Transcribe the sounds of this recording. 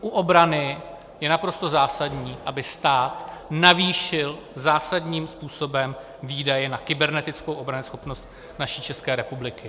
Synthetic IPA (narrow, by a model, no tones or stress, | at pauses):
ʔuʔo̞bɾanɪ | jɛnapɾo̞st̪o̞zaːsadɲiːʔabɪst̪aːt̪naviːʃɪl | zaːsadɲiːmspuːso̞bɛm | viːdajɛnakɪbɛɾnɛt̪ɪt͡skowʔobɾanɪsxo̞pnost̪ | naʃiːt͡ʃɛskɛːɾɛpublɪkɪ